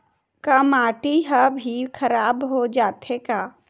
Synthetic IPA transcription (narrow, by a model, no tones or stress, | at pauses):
kamaːʈiɦabʱikʰəɾaːbɦod͡ʒaːt̪ʰekaː